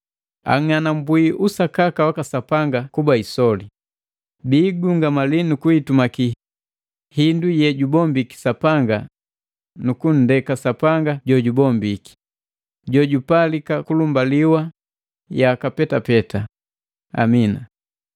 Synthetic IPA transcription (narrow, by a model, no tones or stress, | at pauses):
a̰ŋanambwiʔusakakawakasapaŋɡakubaisɔli | biːɡuŋɡamalinukuitumaki | hindujɛɟubɔmbiki̥sapaŋɡa | nukun̩dɛkasapaŋɡaɟɔɟubɔmbiki̥ | ɟɔɟupalikakulumbaliwa | jakapɛtapɛta | a̰mina